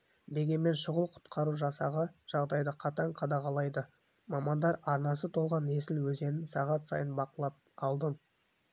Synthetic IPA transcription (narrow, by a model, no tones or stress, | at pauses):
d̪e̞ɡʲe̞nme̞nʃʊʁəlˠqʰʊ̥t̪qʰɑɾuʒɑsɑʁəʒ̥ɑʁd̪ɑjd̪əqʰɑt̪ɑɴqʰɑd̪ɑʁɑlˠɑjd̪ə | mɑmɑnd̪ɑɾɑɾnɑs̬ət̪ʰo̞lˠʁɑne̞sɪlwɵze̞nɪnsɑʁɑt̪sɑ̰jənbɑqəlˠɑp̚ɑlˠd̪əm